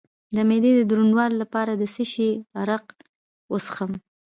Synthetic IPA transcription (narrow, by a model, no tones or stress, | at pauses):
d̪əmed̪ed̪əd̪ɾunwɑllapɑɾad̪əsɪʃeaɾaq | osxəm